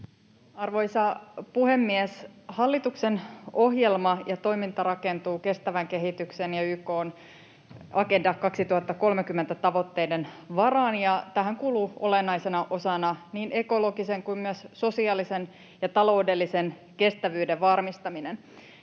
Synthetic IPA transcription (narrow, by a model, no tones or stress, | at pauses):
ɑrʋo̞isɑpuhe̞mːieshɑlːit̪uksenohjelmɑjɑt̪o̞imint̪ɑɾɑkent̪uːke̞st̪æʋæŋke̞ɦit̪yksenjɑyːko̞ːn | ɑke̞ndɑkkɑksit̪uhɑt̪ːɑko̞lmekymːe̞nt̪æt̪ɑʋo̞t̪ːe̞jdenʋɑrɑːnjɑt̪æɦæŋkuːluːo̞lenːɑjsenɑʔo̞sɑnɑniːne̞ko̞lo̞ɡise̞ŋkuimmyøsso̞siɑːlisen | jɑt̪ɑlo̞ude̞lːisen | ke̞st̪æʋyːdeʋʋɑrmist̪ɑminen